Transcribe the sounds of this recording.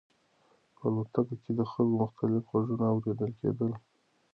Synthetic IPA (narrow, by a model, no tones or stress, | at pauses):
palot̪akoked̪əxalkomʊxt̪alɪfwaʐunaawɾed̪əlkʰḛd̪əl